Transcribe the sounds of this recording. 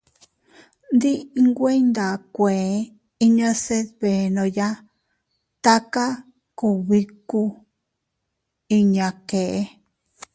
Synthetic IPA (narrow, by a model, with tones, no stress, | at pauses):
nd̪i˦˧ŋɡʷe˦i˦nd̪a˨kʷe˨˦ | i˦ɲã˧se˦ðβe˨nõ˧ja˦ | t̪a˦ka˦ | ku˧˨βi˦˧ku˦ | i˧ɲã˧ke˨ʔe˦